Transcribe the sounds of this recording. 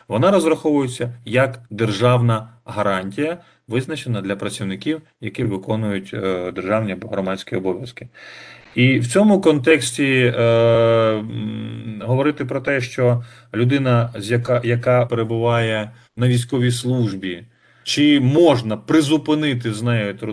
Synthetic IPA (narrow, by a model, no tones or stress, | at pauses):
ʋɔnɑɾɔzɾɐxɔʋʊjet͡sʲːɐjɐkd̪erʒɑwnɐɦɐɾɑnʲtʲijɐ | ʋɪznɐt͡ʃenɐd̪lʲɐpɾɐt͡sʲiwnɪkʲiw | jɐkɪʋɪkɔnʊjʊtʲd̪erʒɑwnʲiɐbɔɦɾɔmɑt͡sʲkʲiɔbɔʋʲjɐskɪ̥ | iwt͡sʲɔmʊkɔnt̪ɛksʲtʲi | ɦɔʋɔɾɪt̪ɪpɾɔt̪ɛʃt͡ʃɔ | lʲʊd̪ɪnɐzʲjɐkjɐkɑpeɾebʊʋɑjɛ | nɐʋʲijsʲkɔʋʲislˠuʒbʲi | t͡ʃɪmɔʒnɐpɾɪzʊpɪnɪt̪ɪznɛjɔt̪